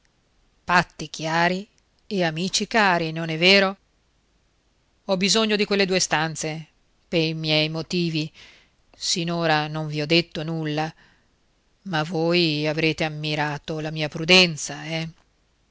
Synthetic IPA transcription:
fat̪ːik̟jaːɾi | eamiːt͡ʃikaːɾinonɛvːeːɾo | ɔbizoɲːod̪ikwelːed̪uːest̪ant̪se | peɾimjɛjmot̪iːvi | sinoːɾanoɱviɔd̪ːet̪ːonulːa | mavojavɾeːt̪eamːiɾaːt̪olamiːapɾud̪ɛnt̪saɛ

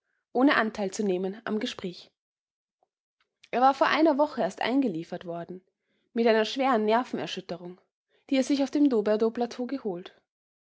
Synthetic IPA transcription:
ʔoːnəʔantʰaɪlt͡suneːmənʔa̰mɡəʃpʁ̥ɛːç | ʔeːɐvaːɐfoːɐʔaɪnɐvɔχəeːɐstʔa̰ɪnɡəliːfɐtv̥ɔɐdn̩ | mɪtʔaɪnɐʃv̥eːʁənːɛɐfn̩ɛ̰ɐʃʏtəʁʊŋ | d̥iːɛsz̥ɪçaʊfd̥eːmdoːbɛɐdoːplatʰoːɡəhoːlt

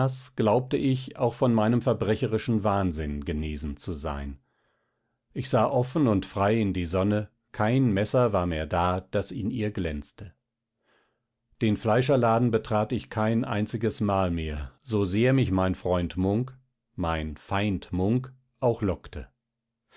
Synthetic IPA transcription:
asɡ̥laʊp̚təʔɪça̰ʊxfɔnmaɪnəmfɛɐbʁɛçəʁɪʃn̩vaːnzɪnɡəneːzn̩t͡suza̰ɪn | ʔɪçz̥aːʔɔfn̩ʊntfʁ̥aɪɪndiːzɔnə | kʰaɪnmɛsɐvaːɐmeːɐdaːd̥asiːniːɐɡlɛnt͡stə | d̥eːnflaɪʃ̬ɐlaːdn̩bətʁ̥aːtɪçkʰaɪnʔa̰ɪnt͡sɪɡəsmaːlmeːɐzozeːɐmɪçmaɪnfʁ̥ɔʏntmʊŋk | maɪnfaɪntmʊŋk | ʔaʊxlɔktʰə

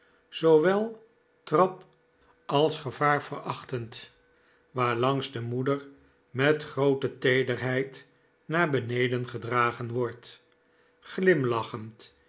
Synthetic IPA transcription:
z̥oʋɛlˠ | trɑp | ɑlˠsχəvaːɹv̥ərɑχtənt | ʋaːɹlɑŋzdəmudəɹ | mɛtχrowtətejdərɦɛjt | naːɹbənejdənχədraːχənʋɔɹt | χlɪmlɑχənt

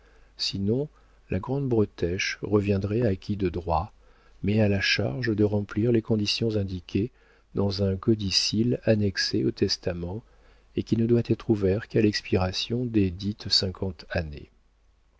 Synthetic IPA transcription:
sinɔ̃ | lʔaɡʁɑ̃d̪bʁɔt̪ɛʃʁəvjɛ̃d̪ʁɛakʲid̪əd̪ʁwa | mɛalaʃa̰ʁʒd̪əʁɑ̃pliʁlekɔ̃d̪isjɔ̃zɛ̃d̪ikʲe | d̪ɑ̃zɛ̃kɔd̪isilanɛkseot̪ɛst̪amɑ̃ | ekʲinəd̪wat̪ɛt̪χuvɛʁkalɛkspiʁasjɔ̃d̪ed̪it̪sɛ̃kʰɑ̃t̪anḛ

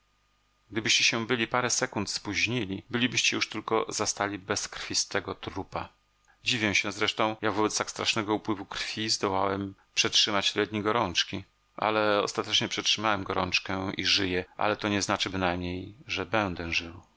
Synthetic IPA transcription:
ɡ̚d̪ɘbɘɕt͡ɕɛɕɛbɘlʲipaɾɛsɛkunt̪spuʑɲilʲibɘlʲibɘɕt͡ɕɛjuʂt̪ɘlkɔ̰zast̪alʲibɛskɾfʲist̪ɛɡɔt̪ɾupa | d͡ʑivʲjɛmɕɛzɾɛʂt̪ɔ̃w̃jaɡvɔbɛt̪st̪akst̪ɾʔaʂnɛɡɔupwɘvukɾfʲizd̪ɔwawɛmpʂɛtʂɘmat͡ɕlɛd̪̚ɲiɡɔɾɔnt͡ʂkʲi | ʔa̰lɛɔ̰st̪at̪ɛt͡ʂɲɛpʂɛtʂɘmawɛmɡɔɾɔ̰nt͡ʂkɛḭʐɘjɛʔa̰lɛt̪ɔɲɛznat͡ʂɘbɘnajmɲejʐɛbɛnd̪ɛʐɘw

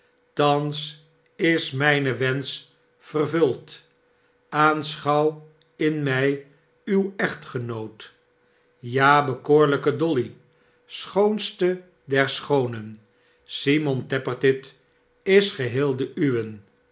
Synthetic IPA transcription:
tɑns | ɪsmɛjnəʋɛns | fərvɵlˠt | aːnsχɑw | ɪnmɛj | ywɛχtχənowt | jaːbəkoːɹləkədɔli | sχownstə | dɛɹsχownən | simɔntɛpərtɪt | ɪsχəɦɪːlˠdəʔyʋən

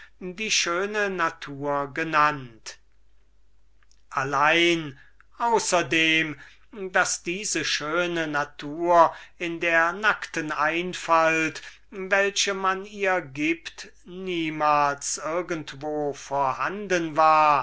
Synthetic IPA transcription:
diːʃøːnənatʰuːɐɡənant | ʔalaɪn | ʔaʊsɐdeːm | dasd̥iːzəʃøːnənatʰuːɐɪndeːɐnaktənaɪnfalt | vɛlʃəmaniːɐɡiːpt | niːmaːlsʔɪɐɡəntv̥oːfoɐhandənvaːɐ

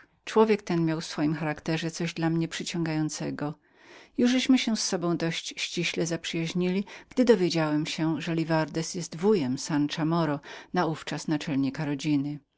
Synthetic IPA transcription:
t͡ʂwɔvʲjɛk̚t̪ɛnmʲjawfsfɔjimxaɾakt̪ɛʐɛt̪sɔʑd̪lamɲɛpʂɘt͡ɕɔ̃ŋɡajɔnt̪sɛɡɔ | juʐɛɕmɘɕɛsːɔbɔ̃w̃d̪ɔɕt͡ɕɕt͡ɕiɕlɛzapʂɘjaʑɲilʲiɡ̥d̪ɘd̪ɔvʲjed͡ʑawɛmɕɛʐɛlʲivaɾd̪ɛsjɛst̪vujɛmsant͡ʂamɔɾɔnauft͡ʂasnat͡ʂɛlɲikaɾɔd͡ʑinɘ

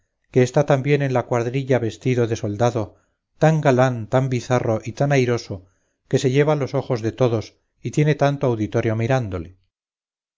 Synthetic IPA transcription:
ke̞ːst̪at̪ambje̞nenlakwaɾðɾiʎaβe̞st̪iðo̞ðe̞so̞ld̪aðo̞ | t̪aŋɡalant̪ambiθaro̞ʔit̪anajɾo̞so | ke̞se̞ʎe̞βalo̞so̞χo̞zðe̞t̪o̞ðo̞s | it̪je̞ne̞t̪ant̪oawðit̪o̞ɾjo̞miɾand̪ole

